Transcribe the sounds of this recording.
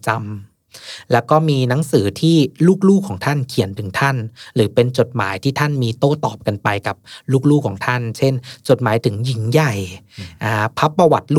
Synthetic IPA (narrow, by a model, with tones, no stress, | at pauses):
t͡ɕa˧m | lɛː˦˥wkɔː˥˩miː˧na˦˥ŋsɯː˩˦t̪ʰiː˥˩luː˥˩k̚luː˥˩kʰɔː˩˦ŋt̪ʰa˥˩nkʰi˨˩˦ənt̪ʰɯ˩˦ŋt̪ʰa˥˩nɾɯː˩˦pe˧nt͡ɕo˨˩t̪̚ma̰ː˩˦jt̪ʰiː˥˩t̪ʰa˥˩nmiː˧t̪oː˥˩t̪ɔː˨˩p̚ka˧npa˧jka˨˩p̚luː˥˩k̚luː˥˩kʰɔː˩˦ŋt̪ʰa˥˩nt͡ɕʰe˥˩nt͡ɕo˨˩t̪̚maː˩˦jt̪ʰɯ˩˦ŋji˩˦ŋja˨˩jʔaː˨˩pʰa˦˥pːɾa˧wa˨˩t̪̚lu˥